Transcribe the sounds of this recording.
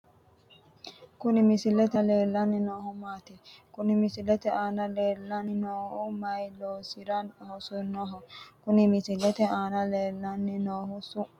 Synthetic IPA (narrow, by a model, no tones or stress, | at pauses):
kʊnɪmɪsɪlɛt̪ɐleːlːɐnːɪnoːhʊmaːt̪ɛkʊnɪmɪsɪlɛt̪ɛʔaːnɐleːlːɐnɪnoːhʊmɐjloːsɪɾɐnhɔsʊnɔɦɔkʊnɪmɪsɪlɛt̪ɛaːnɐleːlːɐnːɪnoːhʊsʊ